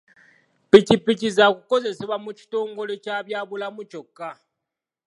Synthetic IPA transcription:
picipicizakuko̞ze̞seβwamuci̥to̞ːŋɡo̞let͡ʃaβjaβulamut͡ʃo̞kːa

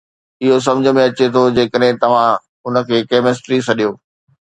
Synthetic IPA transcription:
ɪɦos̬ɐ̃md͡ʑʱə̆mẽɐt͡ɕet̪ʰod͡ʑeːkəɗɦɪ̃t̪ɐʋ̤ã | ʊnə̆kʰeːkeːmɪsʈɾisɐɗijoː

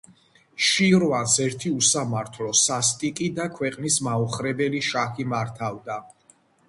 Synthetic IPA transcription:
ʃiɾvansɛɾt̪ʰiusamaɾt̪ʰlɔsast̪ʼikʼid̪akʰwɛqʼnismauχɾɛbɛliʃaximaɾt̪ʰavd̪a

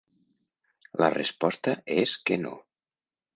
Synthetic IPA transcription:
lə̰respɔst̪əeskeno̰

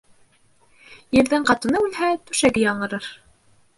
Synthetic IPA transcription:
jɘ̆ɾðɘɴqɑt̪ŭnɤʉlhæt̪ʉʃæɡɘjɑɴɤ̆ɾɤɾ

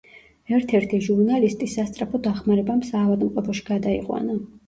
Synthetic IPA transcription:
ɛɾt̪ʰɛɾt̪ʰiʒuɾnalist̪ʼisːast̪sʼɾapʰɔd̪aχmaɾɛbamsaːvad̪mqʼlˠɔpʰɔʃi̥ɡ̥ad̪aḭqʼwa̰na

